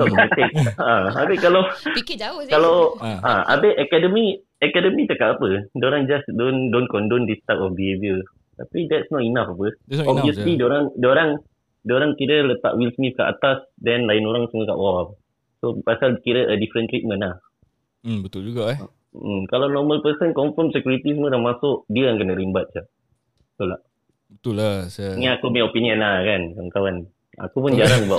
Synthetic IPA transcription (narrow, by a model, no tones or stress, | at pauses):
t̪ɔʔət̪ɛk̚aabɛkala | kalawʔaʔa̰bɛʔɛkɛdəmi | ɛkɛdəmit̪əkaʔapədoɾaŋd͡ʒasdondonkɔndondist̪at̪ɔfbiebiə | t̪a̰pidɛtsnɔtinafapəɔbviəslidoɾaŋdoɾaŋ | doɾaŋkiɾələt̪a̰ʔwilsmifka̰ʔa̰t̪asdɛnlaɪnoɾaŋsəməka̰ʔbawa | sopasalkiɾəʔədifɾənt̪ɾit̪̚mə̃nah | m̩bət̪ʊld͡ʒuɡaɛ̰ | ʔ̩kalawnɔməlpəsənkɔɱfəmsəkjuɾit̪isəmədamasʊʔdiəaŋkənəʔɾimbat̪̚d͡ʒa | t̪ula̰ʔ | bət̪ʊlasəŋaakumeopiniə̃nlahkankawankawan | a̰kupʊnd͡ʒaɾaŋba